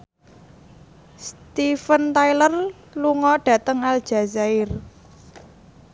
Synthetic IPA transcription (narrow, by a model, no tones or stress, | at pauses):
st̪ifənt̪ailər | luŋɔɖ̥ä̤t̪əŋal̥ʒ̥a̤zaɪr